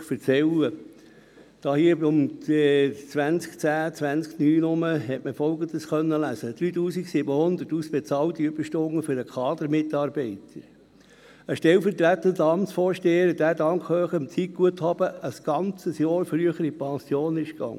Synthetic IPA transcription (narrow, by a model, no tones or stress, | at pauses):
fəɾt͡sɛlə | d̥ɑːhiːəʊm | t͡sʋænt͡skt͡sæːt͡sʋænt͡sknyːnʊməɦɛtməfɔlɡən̩d̥̪əsxœnːəlæsəd̥̪ɾyːt̪uːsiksɪbəhʊnd̪ətuːsb̥ɛt͡sɑːlt̪iʏb̥əɾʃtoŋəfʏɾəkʰχɑːd̪əɾmɪtɑːɾbɛɪt̪ʰəɾ | əʃtɛlfəɾtɾæt̪ːənd̪ɑmt͡sfoːɾʃteːəɾd̥æːdɑŋkχhøːχəəmt͡sik̚ɡ̥uəthɑb̥əəsɡ̥ɑnt͡səsjɑːɾfɾyəχəɾipɑsjoːnɪʃkɑ̰ŋːə